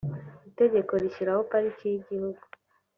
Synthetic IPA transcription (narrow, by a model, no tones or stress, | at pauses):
ite̞ɟe̞ko̞ɾiʃiɾahopaɾiciɟihuɡu